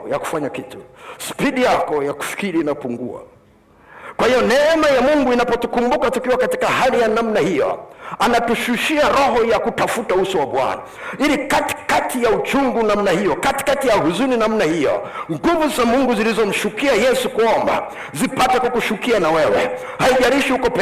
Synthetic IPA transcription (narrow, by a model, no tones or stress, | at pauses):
jaku̥faɲakitu̥spiɗijakɔjaku̥fi̥kiɾiːnapuŋɡṵa̰ | kwahijɔnɛɛmajamuŋɡuinapɔtukumbukatukiwakatikahalijanamnahijɔ̰anatuʃuʃiaɾɔɦɔjakutafutausɔwaɓwa̰na̰ | ilikati̥katijaut͡ʃuŋɡunam̩nahijɔkati̥katijahuzuninam̩nahijɔ̰ŋɡuvuzamuŋɡuzilizɔm̩ʃukiajɛsukuɔmba̰ | zipatɛkwakuʃukianawɛwɛ̰ | haiʄaɾiʃihukɔpɛ